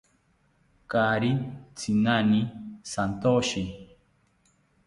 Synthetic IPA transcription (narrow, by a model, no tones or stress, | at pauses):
kaɾit͡sʰinanisant̪oʃi